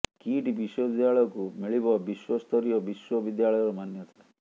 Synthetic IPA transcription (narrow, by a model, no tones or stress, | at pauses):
kiʈibiswɔbid̪jaɭɔjɔkumiɭibɔbiswɔst̪ʰɔɾijɔbiswɔbid̪jaɭɔjɔɾɔmanjɔt̪ʰa